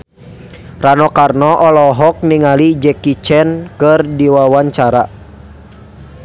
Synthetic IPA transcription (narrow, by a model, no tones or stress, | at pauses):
ranɔkarnɔʔɔlɔɦɔk̚niŋalid͡ʒɛkit͡ʃɛnkɨrdiwawaɲt͡ʃaɾa